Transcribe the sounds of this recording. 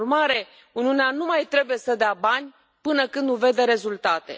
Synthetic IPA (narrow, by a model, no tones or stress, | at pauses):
rmaɾe̞ | unʲiuneanumajt̪ɾe̞buje̞səd̪eabanʲ | pɨnəkɨnd̪uve̞d̪e̞ɾe̞zult̪at̪e̞̰